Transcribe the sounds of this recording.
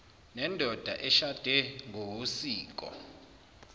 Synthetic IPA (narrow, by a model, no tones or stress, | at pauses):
nɛndʱɔd̥ʱaʔɛʃad̥ʱɛŋʱowusiːk̬ʼɔ̰